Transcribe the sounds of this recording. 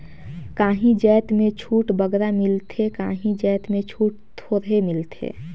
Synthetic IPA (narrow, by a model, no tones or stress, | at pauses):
kaːɦĩd͡ʒɛːt̪mẽt͡ʃʰuːʈbəɡɾamɪlt̪ʰekaːɦĩd͡ʒɛːt̪mẽt͡ʃʰuːʈ̚t̪ʰoːɾɦemɪlt̪ʰḛ